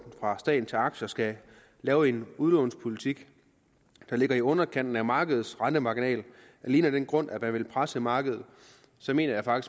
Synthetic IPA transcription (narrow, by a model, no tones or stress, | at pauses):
n̩fʁɑ̈sd̥ɛ̰ːdn̩t͡sʰe̝lɑ̈ɡ̥ɕɐsɡ̥æ | lɛːʊe̝nuðˠlɔʊnspʰo̝lit͡sʰiɡ̥ | d̥ɑ̈le̝ɡ̥ɐiɔ̽nɐkʰæn̰d̥n̩æmɑ̈ːɡ̥əð̞̩ˠsʁɑnd̥əmɑ̈ɡ̥inɛ̰ːl | æliːnəd̥enɡ̥ʁɔ̽n̰ʔæmænʋe̝lpʰʁasəmɑ̈ːɡ̥əð̞̩ˠ | sɒ̽me̝̰ːnɐjɑ̈fɑ̈ɡ̥is